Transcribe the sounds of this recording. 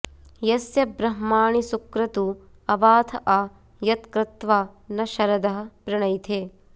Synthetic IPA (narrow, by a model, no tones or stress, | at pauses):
jɐsjɐbɾɐɦmaːɳisukɾɐt̪u | ɐbaːt̪ʰɐʔaː | jɐt̪kɾɪt̪ʋaːnɐʃɐɾɐd̪ɐɦɐ̆pɾɪɳɐjt̪ʰeː